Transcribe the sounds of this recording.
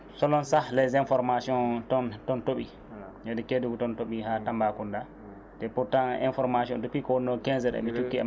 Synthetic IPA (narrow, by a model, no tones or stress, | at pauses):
sɔlɔnsalɛzɛnfɔɾmasiɔntɔntɔntoɓḭ | jɛdɛkeduɡtɔntoɓihatambakunda | tɛpuɾtanɛ̰nfɔɾmasiɔntɔpikɔwɔnːɔkɛnzɛɗɛ̰ɓit͡ʃukːiɛ̰